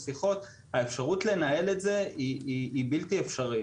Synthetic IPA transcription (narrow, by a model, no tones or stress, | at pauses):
siχo̞t̪ | haefʃaʁutle̞nae̞le̞tze̞iiibiltiefʃaʁi